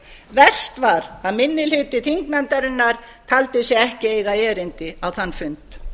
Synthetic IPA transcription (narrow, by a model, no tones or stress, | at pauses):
vɛr̥st̪vaɾaðmɪnːɪlhʏːt̪ɪt̪ʰiŋkmɛnt̪aɾɪnːaɾ̥ | t̪ʰalt̪ɪsjɛɛhcɪeːjɣaɛːɾɪnt̪ɪawθanːfʏnt̪